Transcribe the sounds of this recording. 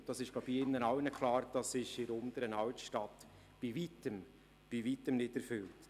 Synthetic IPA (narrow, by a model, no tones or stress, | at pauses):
d̥ɑsɪʃɡlabiɪnːənɑwnəkʰlɑːɾd̥ɑsɪʃɪɾʊnd̥̪əɾənɑwt̪ʃtɑt | b̥ivitəm | b̥ivitəmnɪdɛɾfʏlt